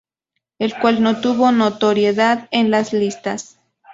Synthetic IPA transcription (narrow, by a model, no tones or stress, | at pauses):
elkwalnot̪uβonot̪oɾjeðaðenlaslist̪as